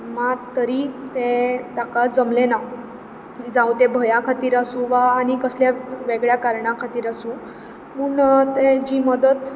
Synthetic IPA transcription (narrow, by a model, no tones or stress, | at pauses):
mat̪əɾiːt̪ẽt̪akad͡zəmlena | d͡zawt̪ẽbʱəjakʰat̪iːɾasũʋaːɽikəsljaʋeɡɭjakaɾɳãkʰat̪iːɾasuː | muːɳt̪ed͡ʑiːməd̪ət̪